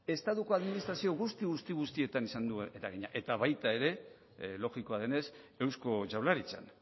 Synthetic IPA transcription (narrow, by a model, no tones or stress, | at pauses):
e̞st̪at̪uko̞aðminist̪ɾasio̞ɣ̞ust̪iɣust̪iɣ̞ust̪ie̞t̪anisand̪ueet̪aɣeɲaʔe̞t̪aβajt̪ae̞ɾe̞ | lo̞ɣiko̞aðe̞ne̞se̞wsko̞t͡ʃawlaɾit͡sa̰n